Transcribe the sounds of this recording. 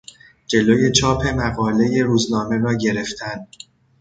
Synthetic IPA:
d͡ʒe̞loːje̞t͡ʃʰɒːpʰe̞mæɣɒːle̞je̞ɾuːznɒːme̞ɾɒːɟe̞ɾe̞ft̪ʰæn

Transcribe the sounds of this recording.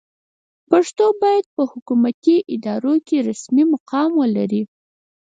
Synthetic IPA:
paʂt̪obɑjad̪̚pəhʊkumat̪iʔɪd̪ɑɾokeɾasmimʊqɑmwəlaɾi

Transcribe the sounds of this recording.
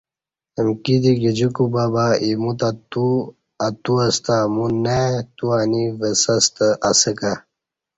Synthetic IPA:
əmkid̪iɡid͡ʑukubaːbaimut̪at̪u | at̪uɐst̪amunːet̪uanivəsɐst̪əʔasəka

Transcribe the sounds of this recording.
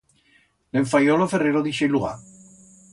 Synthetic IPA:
leɱfajɔlofereɾoðiʃelua̰

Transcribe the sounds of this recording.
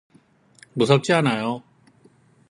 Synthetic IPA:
busat͡ɕaːnajo

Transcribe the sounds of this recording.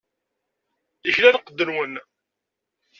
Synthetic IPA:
əçlænqːəd̪ːənwən

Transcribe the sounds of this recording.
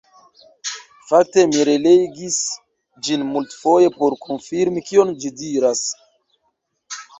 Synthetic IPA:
fak̚te̞miɾeleɡis | d͡ʒinmultfo̞je̞po̞ɾkʰonfiɾmikio̞nd͡ʒidiɾas

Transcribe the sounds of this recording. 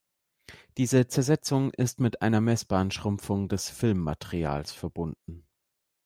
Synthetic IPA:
d̥iːzət͡sɛɐzɛt͡sʊŋʔɪstmɪtʔa̰ɪnɐmɛsb̥aːnʃʁ̥ʊmfʊŋdɛsfɪlmːa̰teʁia̰ːlsfɛɐbʊndn̩

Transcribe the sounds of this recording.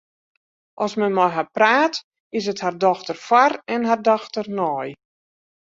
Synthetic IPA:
ʔɔsmɛnmɔjɦapraːt | ɪs̬əthardɔxtərfwarɛnɦardɔxtərnɔj

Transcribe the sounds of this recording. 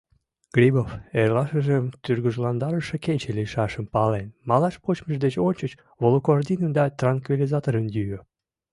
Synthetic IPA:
ɡ̥ɾʲiboferlɑʃəʒəmt̪yrɣəʒlɑnd̪ɑɾəʃə̆ket͡ɕeliʃɑʃəmpɑlenmɑlɑʃpot͡ɕməʃd̪et͡ɕonʲt͡ɕət͡ɕ | βolokord̪inənd̪ɑt̪rɑnkvʲilʲizɑt̪oɾənjyø

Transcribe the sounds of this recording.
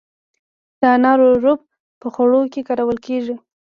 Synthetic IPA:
d̪̥əanɑɾoɾob̚ | pəxoɽokekaɾawəlkeʐi

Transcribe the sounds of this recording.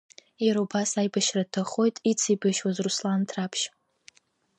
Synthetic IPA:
jaɾobasajbaʃratʰaχo̞jtʼit͡sʰibɨʃwazruslantʰrapʰʃ

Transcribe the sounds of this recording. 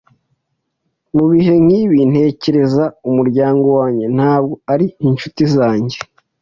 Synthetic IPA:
muβiɦe̞mŋiːβin̥he̞ːce̞ɾe̞zaumuɾɟaːŋɡo̞waːɲɟe̞n̥haːb̚ɡo̞aɾiinʃutizaːɲɟe̞

